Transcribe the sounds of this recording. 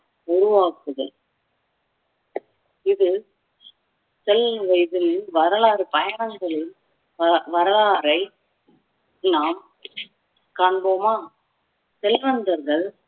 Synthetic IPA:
ʊɾɯʋaːkːɯðɯ̰ | ɪðɯ | sɛlʋɐɪðɪlɪʋɐɾɐɭaːɾɯpɐjɐɳɐŋɡɐɭɪl | ʋɐɾɐlaːɾɐɪ | naːm | kaːɳboːmaː | sɛlʋɐnd̪ɐɾɣɐɭ

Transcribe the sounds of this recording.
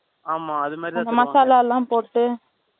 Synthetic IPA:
aːmaːɐðɯmaːɾiɐnd̪ɐmɐsaːlaːɛlːãːpoːʈːɯ

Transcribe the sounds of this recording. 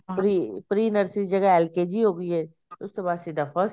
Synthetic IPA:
pɾipɾiːnəɾsɪsd͡ʒɐɡaɛlkeːd͡ʒiɦoːɡəiɦɛː | ʊstebaːsid̪ɐfəs

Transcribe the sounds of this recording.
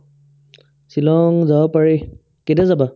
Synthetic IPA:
silɔŋzaɔpaɹi | kedɛzaba

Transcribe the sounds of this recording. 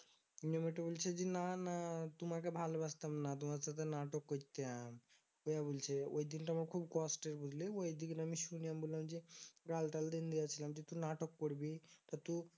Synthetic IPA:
nomiʈbult͡ʃʰed͡ʒinanat̪umakebʱalbast̪ɐmnat̪̬umaɾsat̪enaʈokːot̪eam | ojabult͡ʃʰeo̰id̪inʈmaɾkʰuːbkɔsʈeɾbud͡ʒʱleojd̪iknɐmiʃunijambulamd͡ʒiɡalʈald̪ind̪ijat͡ʃʰilamd͡ʒit̪unaʈokːoɽbit̪at̪u

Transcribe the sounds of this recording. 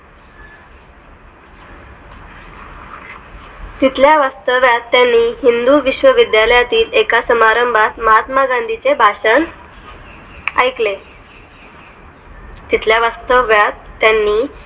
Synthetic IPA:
t̪it̪ljaʋast̪əʋjat̪ːjanːiːɦind̪uʋiɕʋəʋid̪jaləjat̪iːlekasəmaɾəmbʱat̪məɦat̪maɡãnd̪ʱit͡sebʱaʂən | a̰jkle | t̪it̪ljaʋast̪əʋjat̪ːjanːiː

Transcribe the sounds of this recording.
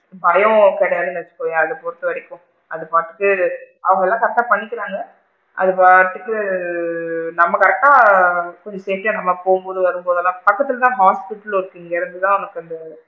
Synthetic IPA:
bɐjɐ̃kɛɽɐjaːlɯnɛɐt͡ʃːɯ̥kːõːjaɐðɯpɔɾɯt̪ːɯɐɽɪkːʊ̃ | ɐðɯpaːɾt̪ːɯ̥ʈːɯʔɐʋɐŋɡɐɛlːãːkɐɾɐk̚ʈːaːpɐɳːɪkːɪɾaːŋɡɐ | ʔɐ̰ðɯpaːɾt̪ːɯkːɯ | nɐmːɐkɐɾɐk̚ʈːaːkɔɲd͡ʒɐseːʈːɪjãnɐmːapoːɣɯmboːðɯʋɐɾɯmpoːðɐlːãːpɐkːɐt̪ːɯɪlt̪ãːɦaːspɪʈːɐlɪɾɯkːiːŋɡɐɪɾɯnd̪ɯt̪ãːʊnɐkːɯɐnd̪ɐ

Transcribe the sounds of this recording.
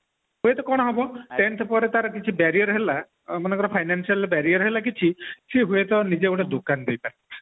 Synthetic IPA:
ɦuet̪ɔkɔɽ̃ɔɦɔbɔteɳʈ̪ʰɔpɔɾet̪aɾakit͡ʃʰibɛɾijɔɾɦela | mɔnekɔɾɔpʰajnansialbɛɾiɔɾɦelakit͡ʃʰisiɦujet̪ɔnid͡ʒeoʈad̪okand̪ejpaɾe

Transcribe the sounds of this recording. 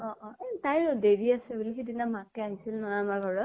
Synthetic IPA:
ɔʔɔetajɹdeɹiasɛbulixidinamakɛaɦisilnɔamaɹɡʱɔɹɔ

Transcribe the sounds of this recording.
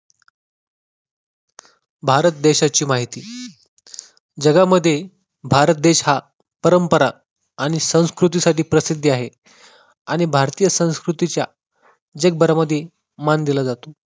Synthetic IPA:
bʱaɾət̪̚d̪eɕat͡ɕiːmaɦit̪iː | d͡ʑəɡaməd̪ʱːje | bʱaɾət̪̚d̪eɕha | pəɾəmpəɾaː | ɽ̃isə̃w̃skɾut̪̬isaʈiːpɾəsid̪ʱːaɦe | aɽ̃ibʱaɾt̪ijəsə̃w̃skɾut̪it͡ɕja̰ | d͡ʑeɡ̚bəɾaməd̪ʱːje | mand̪ilad͡zat̪o

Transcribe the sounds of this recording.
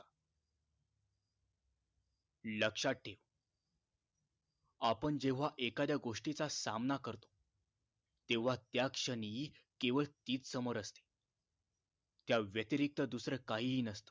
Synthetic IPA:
ləkʂaʈʰːeʋ | apəɳd͡ʑeʋ̤aʔekad̪jaɡoʂʈit͡sasamnakəɾt̪o̥ | t̪eʋ̤at̪jakʂənikeʋəɭt̪iːt͡ssəməɾəst̪e̥ | t̪jaʋjət̪iɾik̚t̪əd̪usɾəkaɦinəst̪ə̥

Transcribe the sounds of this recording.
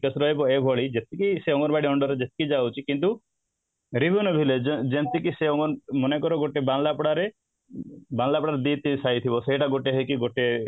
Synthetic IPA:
kesɾɔɦibɔebʱɔɭid͡ʒet̪ikiseɔŋɔɾbʱaɽiɔɳɖɔɾed͡ʒet̪i̥kid͡ʒawt͡ʃʰikint̪̬u | ɾibʱunɔbʱiled͡ʒent̪ikiseɔŋɔɾmɔnekɔɾɔɡoʈebaŋlapɽaɾe | baŋlapɔɽaɾed̪it̪ːisajt̪ʰibɔseɦiʈaɡoʈeɦejkiɡoʈe

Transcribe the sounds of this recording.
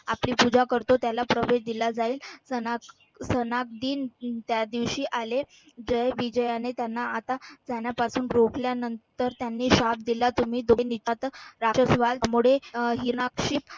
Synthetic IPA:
apliːpud͡zakəɾt̪ot̪jalapɾəʋeɕd̪ilad͡zaiːlsənak | sənak̚d̪iːnt̪jad̪iʋɕiːʔale | d͡ʑəjʋid͡ʑəjanet̪janːaat̪ad͡zaɳjapasuːnɾokljanənt̪əɾt̪janːiːɕap̚d̪ilat̪um̤iːd̪onit̪at̪ɾaɕəsʋalmuɽeɦinakɕiːp

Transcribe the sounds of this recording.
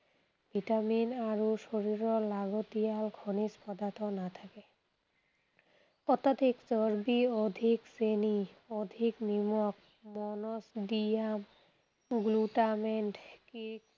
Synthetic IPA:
bʱiʈaminaɾoʃoɾiɾɔlaɡot̪ijalɡʰʱonispɔd̪at̪ɔnat̪ʰake | ɔt̪ad̪ʱikt͡ɕɔɾbiod̪ʱikseniɔd̪ʱikmimɔk̚ | mɔnosɖiam | ɡluʈameɳʈkik̚

